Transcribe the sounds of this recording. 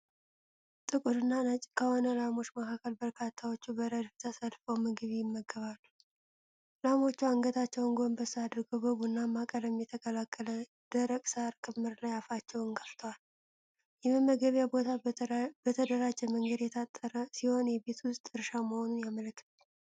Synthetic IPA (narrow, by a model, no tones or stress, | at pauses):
t̪ʼɨkʼuɾɨnːanət͡ʃʼkʰəhonəlamo̞t͡ʃːməkakʰːəlbəɾkʰat̪ʰːawo̞t͡ʃːubəɾəd̪ft̪ʰəsəlfəwmɨɡɨβjɪmːəɡːəβalːu | lamo̞t͡ʃːuaŋɡət̪ʰat͡ʃːɛwɨŋɡonbəsːɨad̪ɾɡəwbəβunːamːakʼəɾəmjɛt̪ʰəkʼəlakʰʼːələ | d̪̥əɾəkʼsɨaɾkʰɨmːɨɾlajafat͡ʃːɛwɨŋɡəft̪ʰəwal | jɛməmːəɡəβjabo̞t̪ʰabət̪ʰəd̪əɾad͡ʒːɛməŋɡəd̪jɛt̪ʰat̪ʼːəɾəsiho̞njɛbe̞t̪wʊst̪ʼɨɾʃaməho̞nunjamələkːɨ̥t̪ʰal